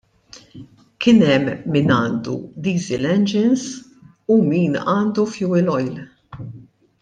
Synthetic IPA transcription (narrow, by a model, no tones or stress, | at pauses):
kɪnɛmːinɐːnd̪ṵd̪iːzɪlɛnd͡ʒɪnz | umiːnɐːnd̪ufjuːɪlɔjl